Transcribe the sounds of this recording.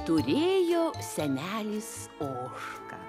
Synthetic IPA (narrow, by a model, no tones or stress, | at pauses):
t̪ʊɾʲeːjoːsʲɛnʲæːlʲis | oːʃkɐ̰